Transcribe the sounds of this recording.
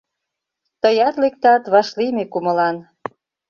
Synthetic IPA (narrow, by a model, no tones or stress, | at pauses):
t̪əjɑt̪lek̚t̪ɑt̪βɑʃlimekumə̆lɑn